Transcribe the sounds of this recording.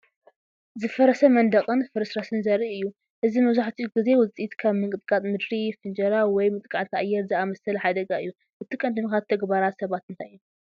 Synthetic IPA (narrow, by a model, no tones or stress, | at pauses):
zɨfɐɾɐsɐmɐnd̪ɐqʼɨnfɨɾɨsɾasɨnzɐɾːiʔɨjːu | ʔɨzimɐβzaħt̪ʰiɡɨze̞wʊt͡sʼit̪kʰaβmɨŋkʼɨt̪ʼkʼat̪ʼmɨd̪ɾifɨnd͡ʒɐɾawɔjmɨt̪ʼkʼat̪k̪ʰaʔajːɛɾzɨamɐsɐlħad̪ɐɡaɨjːu | ʔɨt̪ʰikʼɐnd̪ɨmikat̪ʰːɐɡbaɾat̪sɐβat̪ɨnt̪ʰaju